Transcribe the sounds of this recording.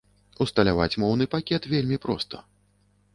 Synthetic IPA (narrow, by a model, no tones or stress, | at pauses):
ust̪ɐlʲava̰t͡sʲmɔwn̪ɨpakʲɛt̪vʲelʲmʲipɾɔ̰st̪ɐ̥